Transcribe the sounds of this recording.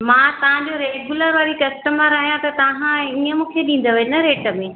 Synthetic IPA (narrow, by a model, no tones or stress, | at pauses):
mãːt̪ɐʋ̤ãɲd͡ʑoɾeɡjuləɾʋaːɾikɐsʈəməɾɐːɦijãt̪ɐt̪ɐɦãiːəmũːkʰeɗĩːn̆d̪oʋenɐɾeːʈəmẽ